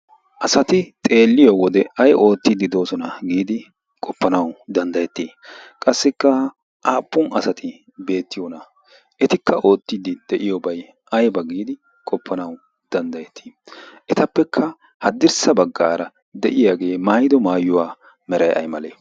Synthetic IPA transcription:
ʔɐsɐt̪ɪt̪ʼe̞ːlːɪjɔwɔd̪ɛɐjo̞ːt̪ːɪd̪ɪd̪o̞ːsɔnɐɡiːd̪ɪ | kʼɔpːɐnɐwd̪ɐnd̪ɐjɛt̪ːiː | kʼɐsːɪkːɐ | ʔaːpːʊnɐsɐt̪ʰɪ | be̞ːt̪ːɪjɔnɐ | ɛt̪ɪkʰːɐʔo̞ːt̪ːɪd̪ɪd̪̥ɛʔɪjɔbɐj | ʔɐjbɐɡiːd̪ɪ | kʼɔpʰːɐnɐw | d̪̥ɐnd̪ɐjɛt̪ʰːi̥ːʔɛt̪ɐpːɛkʰːɐ | hɐd̪ɪɾsɐbɐɡːaːɾɐ | d̪ɛʔɪjaɡe̞ːmaːjd̪ɔmaːjːʊwaː | mɛɾɐjʔɐ̰jmɐleː

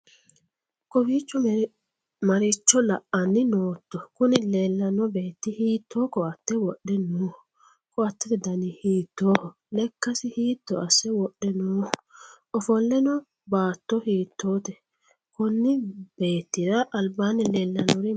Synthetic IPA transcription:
kɔwiːt͡ʃːɔ | mɐɾɪt͡ʃːɔlɐʔɐnːɪnoːt̪ːɔkʊnɪleːlːɐnːɔbeːt̪ːɪhiːt̪ʰːoːkɔɐt̪ːɛwɔɗːɛnoːhɔ | kɔɐt̪ːɛt̪ɛd̪ɐnɪhiːt̪ːoːhɔ | lɛkːɐsɪhiːt̪ːɔɐsːɛwɔɗːɛnoːhɔ | ɔfɔlːɛnɔ | baːt̪ːɔhiːt̪ʰːoːt̪ɛ | kɔnːɪb̥eːt̪ːɪɾɐʔːlbaːnɪleːlːɐnːɔɾi

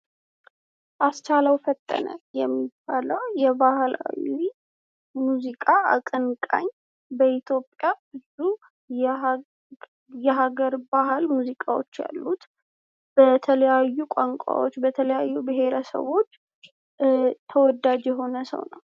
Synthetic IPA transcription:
ʔast͡ʃalawfət̪ʼːə̰nə̰jɛmːibːaləwjɛbahla̰wi | muzikʼaa̰kʼɨnkʼa̰ɲː | bəit̪ʰjo̞pʼjabɨzu | jɛɦaɡəɾbahɨlmuzikʼawo̞̰t͡ʃːja̰lːut̪ | b̥ət̪ʰələjajːukʷʼaŋkʷʼa̰wo̞t͡ʃːbət̪ʰələjajːubɨɦe̞ɾəsə̰βo̞t͡ʃː | t̪ʰəwɔd̪ad͡ʒjɛɦo̞nəsə̰wnə̰w

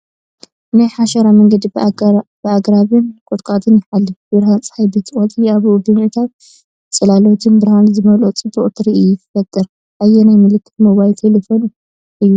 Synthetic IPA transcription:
najħaʃɐɾamɐŋɡɐd̪ibɨaɡɾaβɨnkʼot̪ʼkʼat̪ʰɨnjɪħalːibɨɾhant͡sʼħajbɨt̪ʼɨkʼot̪ʼiaβubɨmʔɨt̪ʰat̪̚ | t͡sʼɨlalot̪ʰɨnbɨɾhanzɨmɐlot͡sʼɨboʔʼt̪ʰɾiʔjut̪ʰɨfɐt̪ʼːɨɾ | ʔajːɛnajmɨlɨkʰːɨ̥t̪moβajlt̪ʰelefo̞n | ʔɨjːu

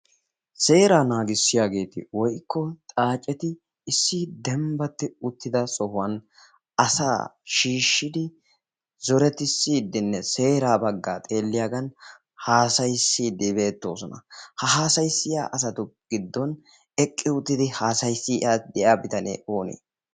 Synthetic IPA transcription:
se̞ːɾaːnaːɡɪsːɪjaːɡe̞ːt̪ɪ̰wɔjkʰːɔt̪ʼaːt͡ʃʼːɛt̪ɪ | ɪsːid̪ɛmbɐt̪ːɪʊt̪ːɪd̪ɐsɔhʊwɐn | ɐsa̰ːʃiːʃːɪd̪ɪ | zɔɾɛt̪ɪsːiːd̪ːɪnːɛse̞ːɾaːbɐɡːaːt̪ʼe̞ːlːɪjaːɡɐn | haːsɐjsːiːd̪ːɪbe̞ːt̪ːo̞ːsɔnɐ̰hɐɦaːsɐjsːɪja̰ːʔɐs̬ɐt̪ʊɡ̥ɪd̪ːɔn | ɛkʼːɪʊt̪ːɪd̪ɪhaːsɐjsːɪʔaːd̪ɛjaːbɪt̪ɐnḛːʔo̞ːnḛː

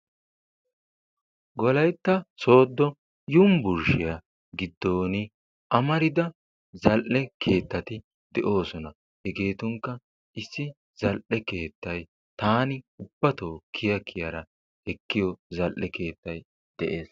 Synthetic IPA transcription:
ɡɔlɐjt̪ːɐso̞ːd̪ːɔ | jʊmbʊɾʃɪjɐ | ɡɪd̪ːo̞ːnɪ | ʔɐmɐɾɪd̪ɐ | zɐlʔɛkʰe̞ːt̪ːɐt̪ɪ | d̪̥ɛʔo̞ːsɔnɐ | hɛɡe̞ːt̪ʊŋkːɐ | ɪsːɪ | z̥ɐlʔɛke̞ːt̪ːɐj | t̪aːnɪʊb̥ːɐt̪o̞ːkʰːɪjɐkʰːɪjɐɾɐ | ɛkːɪjɔzɐlʔɛke̞ːt̪ːɐj | d̪̥ɛʔe̞ːs

